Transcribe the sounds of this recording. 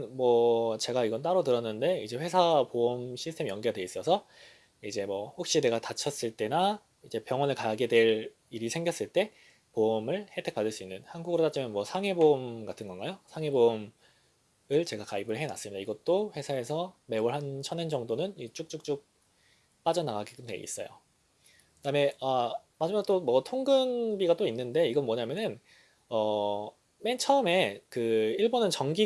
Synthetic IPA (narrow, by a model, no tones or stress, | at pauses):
nmwʌt͡ɕe̞ɡaiɡʌnt͈aɾotɯɾʌnːɯnde̞id͡ʑe̞ɸwe̞sʰapoʌmɕʰisʰtʰe̞mijʌŋɡiɡadwe̞is͈ʌsʰʌ | id͡ʑe̞mʌhok̚ɕ͈ine̞ɡatat͡ɕʰʌs͈ɯɭt͈e̞na | id͡ʑe̞pjʌŋwʌnɯɭkaɡe̞dwe̞ɾ | iɾisʰe̞ŋɡjʌs͈ɯɭt͈e̞ | poʌmɯɭhe̞tʰe̞k̚padɯɭs͈uinːɯnhanɡuɡɯɾot͈at͡ɕ͈imjʌnmwʌsʰaŋe̞bomɡatʰɯnɡʌnɡajosʰaŋebom | ɯɭt͡ɕe̞ɡakaibɯɭɦe̞na̰s͈ɯmɲidaiɡʌt͈oɸe̞sʰae̞sʰʌme̞oɭɦant͡ɕʰʌnend͡ʑʌŋdonɯnit͡ɕ͈uk̚t͡ɕ͈uk̚t͡ɕ͈uk̚ | p͈ad͡ʑʌnaɡaɡik͈ɯntʰḛḭs͈ʌ̰jo̰ | kɯtame̞amad͡ʑɯmaɡ̚t͈omʌtʰoŋɡɯnbiɡat͈oinːɯnde̞iɡʌnmwʌɲamjʌnɯn | ʌ | ment͡ɕʰʌɯme̞kɯiɭbonɯnt͡ɕʌŋɡi